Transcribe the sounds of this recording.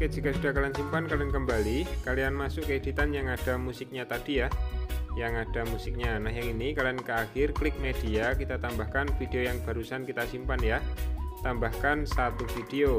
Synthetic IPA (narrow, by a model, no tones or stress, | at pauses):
kad͡ʒikasud̥a̤hkalansimpankalankəmbalikalianmasʊʔkəid̥it̪anjaŋad̥a̤musik̚ɲat̪ad̥ijahjaŋad̥a̤musik̚ɲanahjaŋinikaliankəaxɪrklɪk̚med̥iakit̪at̪ambahkanfid̥eojaŋb̥a̤ɾusankit̪asimpanjat̪ambahkansat̪ufid̥eo